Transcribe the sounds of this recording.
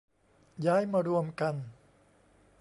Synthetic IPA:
jaː˦˥˩jmaː˧ɾu˧əmka˧n

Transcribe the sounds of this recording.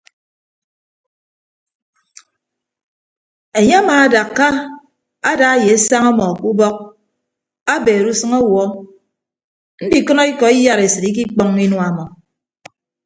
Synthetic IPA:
e˨ɲe˦a˦maː˨a˦da˨kkːa˦ | a˦da˨˦je˨a˦sa˦ŋa˦mɔ˨ku˦bɔ˦k̚ | a˦beː˨ɾu˦sɨ˦ŋɔ˦wɔ˦ | n̩˦di˨kɔ˦nɔ˦i˦kɔ˨i˦ja˦ɾe˨sɨ˨ɾi˦k̬i˦k͡pɔ˦ŋi˦nwa˨mɔ˨

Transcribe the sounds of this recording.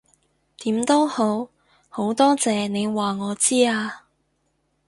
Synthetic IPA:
t̪iː˨˥mt̪o˥who˨˥w | ho˨˥wt̪ɔː˥t͡sɛː˨˧ne˨˧jwaː˨˩ŋɔː˨˧t͡siː˥aː˧

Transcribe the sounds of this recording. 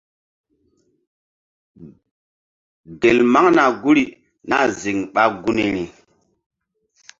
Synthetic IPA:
de˨lma˦ŋna˨ɡu˦ɾi˨ | na˦zi˨ŋɓa˦ɡu˦ni˨ɾi˨

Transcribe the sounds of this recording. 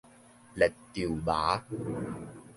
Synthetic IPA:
lɛ˨˩t̚t̪i˨˩əwɓaː˨˦

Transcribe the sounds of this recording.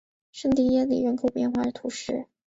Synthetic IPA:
ʂə˥˧ŋt̪i˥˩jɛ˥lḭ˨˩ɻə˧˥nkʰo˨˩ʊpjɛ˥˧nxwa˥˩ə˩t̪ʰu˧˥ʂɻ̩˥˩

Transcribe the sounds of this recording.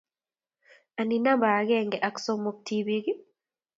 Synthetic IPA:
a˨ni˨na˦mba˨ɡɛ˦ŋɡɛ˨ʔa˨kso˦mo˨k̚tʰiβi˦ɡi˦

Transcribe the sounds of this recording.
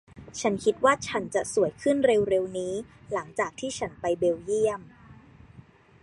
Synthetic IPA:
t͡ɕʰa˦˥nkʰi˦˥t̪̚waː˥˩t͡ɕʰa˦˥nt͡ɕa˨˩su˨˩˦əjkʰɯ˥˩nɾe˧wɾe˧wniː˦˥ | la˩˦ŋt͡ɕaː˨˩k̚t̪ʰiː˥˩t͡ɕʰa˦˥npa˧jbe˧wji˥˩əm

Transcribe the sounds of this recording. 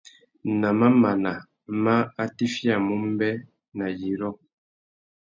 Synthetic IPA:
na˨ma˦ma˨na˨ | ma˦a˦ti˦fja˨mu˦m˦bɛ˦ | na˨ji˨ɾɔ˦

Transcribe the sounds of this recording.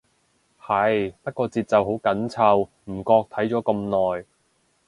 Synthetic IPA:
hɐ˨˩jpɐ˥t̚kɔː˧t͡siː˨t̚t͡sɐ˨wɦo˨˥wkɐ˨˥nt͡sʰɐ˧w | m̩˨˩kɔː˧k̚t̪ʰɐ˨˥jt͡ʃɔː˨˥kɐ˧mnɔː˨˩j

